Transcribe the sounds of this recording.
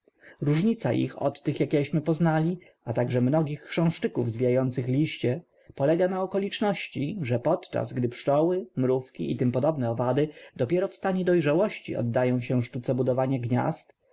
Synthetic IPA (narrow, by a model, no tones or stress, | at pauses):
ɾuʐɲit̪sa̰ʔḭxɔ̰t̪ːɘxjakʲɛɕmɘpɔznalʲi | at̪aɡʐɛmnɔɡʲixkʂɛ̃w̃ʂt͡ʂɘkuvzvʲijajɔnt̪sɘxlʲiɕt͡ɕɛ | pɔlɛɡanaɔkɔlʲit͡ʂnɔɕt͡ɕiʐɛpɔt̪t͡ʂa̰sɡd̪ɘpʂt͡ʂɔwɘmɾufkʲiʔit̪ɘmpɔd̪ɔbnɛɔvad̪ɘd̪ɔpʲjɛɾɔfst̪aɲɛd̪ɔjʐawɔɕt͡ɕḭɔ̰d̪ːajɔ̃w̃ɕɛʂt̪ut̪sɛbud̪ɔvaɲɛɡɲa̰st̪